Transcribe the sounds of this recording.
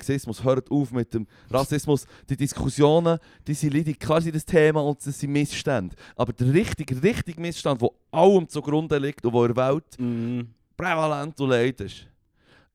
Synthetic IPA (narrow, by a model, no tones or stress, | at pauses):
ksɪsmʊshœːɾətuːfmɪtːəm | ɾɑsɪsmʊs | d̥id̥iskʰusjoːnə | d̥iːsilidikʰχɑːɾs̬idəstʰeːmɑʊndd̥əsːimɪsʃtænd̥ʔɑbəɾd̥ərɪχtɪɡərɪχtiɡmɪsʃtɑndvo | ɑwəmt͡sʊɡɾʊnd̪əlɪktʊvoɪɾvælt | pɾɛvɑlæntʊlɛɪtɪʃ